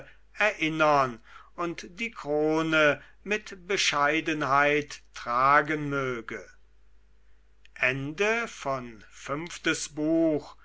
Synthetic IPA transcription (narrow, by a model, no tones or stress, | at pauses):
ɛɐʔɪnɐnʊntd̥iːkʁ̥oːnə | mɪtb̥əʃaɪdənhaɪtːʁ̥aːɡənmøːɡə | ʔɛndəfɔnfʏmftəsbuːx